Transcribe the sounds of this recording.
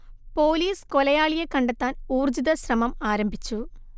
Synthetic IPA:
poːliːskɔlɐjaːɭijekːɐɳɖɐt̪ːaːnuːrd͡ʑiðɐɕrɐmɐmaːɾɐmbʱit͡ɕːu

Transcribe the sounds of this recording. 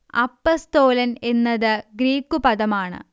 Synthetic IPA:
ɐ̰pːɐst̪oːlɐne̞nːɐðɨɡɾiːkːupɐðɐmaːɳɨ̰

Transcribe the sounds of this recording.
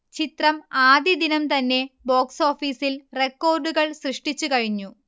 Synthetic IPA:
t͡ɕit̪rɐmaːd̪jɐd̪inɐmt̪ɐnːe̞bo̞ːkso̞ːfiːsilre̞kːo̞ːrɖuɣɐɭsrɨʂʈit͡ɕːukɐɻiɲːu

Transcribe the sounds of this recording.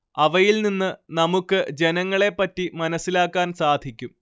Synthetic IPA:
ɐʋɐjilninːɨnɐmukːɨd͡ʑe̞nɐŋːɐɭe̞pːɐtːimɐnɐsːilaːkːaːnsaːd̪ʱikʲːum

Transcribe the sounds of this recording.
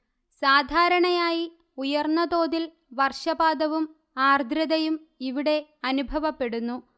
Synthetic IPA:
saːd̪ʱaːɾɐɳɐjaːji | ujɐrnːɐd̪o̞ːðil | ʋɐrʂɐbaːd̪ɐʋum | aːrd̪ʱɾɐðɐjum | iʋiɽe̞ɐnubʱɐʋɐpːe̞ɽunːu

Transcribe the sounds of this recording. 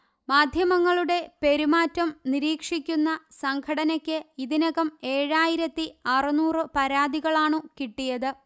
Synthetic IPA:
maːd̪ʱjɐmɐŋːɐɭuɽe̞pe̞ɾumaːtːɐmniɾiːkʂikʲːunːɐsɐŋɡʰɐɽɐnɐkʲːɨiðinɐɣɐme̞ːɻaːjiɾɐt̪ːiɐrɨnuːrɨpɐɾaːd̪ʱiɣɐɭaːɳɨkiʈːijɐðɨ

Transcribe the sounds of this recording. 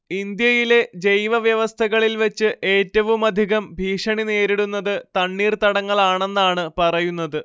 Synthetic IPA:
ind̪jɐjile̞d͡ʑejʋɐʋjɐʋɐst̪ʰɐɣɐɭilʋɐt͡ɕːɨʔe̞ːtːɐʋumɐd̪ʱiɣɐmbʱiːʂɐɳine̞ːɾiɽunːɐðɨt̪ɐɳːiːrt̪ɐɽɐŋːɐɭaːɳe̞nːaːɳɨpɐrɐjunːɐðɨ

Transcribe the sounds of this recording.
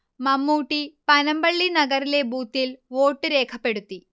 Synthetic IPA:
mɐmːuːʈːipɐnɐmbɐɭːinɐɣɐɾile̞buːt̪ːilʋo̞ːʈːɨɾe̞ːkʰɐpːe̞ɽut̪ːi

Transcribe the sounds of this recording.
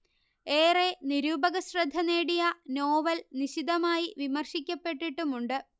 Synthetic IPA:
eːreniɾuːbɐɣɐɕrɐd̪ʱːɐneːɽijɐno̞ːʋɐlniɕid̪ɐmaːjiʋimɐrɕikʲːɐpːe̞ʈːiʈːumuɳɖɨ

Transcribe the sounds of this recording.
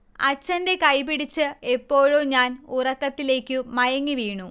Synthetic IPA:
ɐ̰t͡ɕːɐnde̞kɐjpiɽit͡ɕːɨe̞pːo̞ːɻoɲaːnurɐkːɐt̪ːile̞ːkʲːɨmɐjɐŋːiʋiːɳu

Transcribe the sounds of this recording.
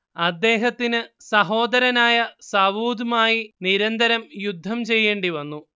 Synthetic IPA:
ɐd̪ːe̞ːɦɐt̪ːinɨsɐɦo̞ːd̪ɐɾɐnaːjɐsɐʋuːd̪umaːjiniɾɐnd̪ɐɾɐmjud̪ʱːɐmt͡ɕe̞jːeːɳɖiʋɐnːu

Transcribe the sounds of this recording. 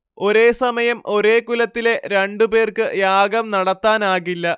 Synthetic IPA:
o̞ɾe̞ːsɐmɐjɐmo̞ɾe̞ːkulɐt̪ːile̞ɾeɳɖupe̞ːrkɨjaːɡɐmnɐɽɐt̪ːaːnaːɣilːɐ

